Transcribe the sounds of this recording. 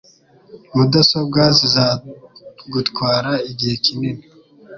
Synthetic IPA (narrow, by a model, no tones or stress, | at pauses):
βudasobɡaːziza | ɡutkwaːɾaiɟihe̞kinini